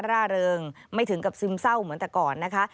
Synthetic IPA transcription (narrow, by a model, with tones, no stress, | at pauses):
ɾaː˥˩ɾɤː˧ŋ | ma˥˩jt̪ʰɯ˩˦ŋka˨˩p̚sɯː˧msa˥˩wmɯ˨˦nt̪ɛ˨˩kɔː˨˩nːa˦˥kʰa˦˥ʔ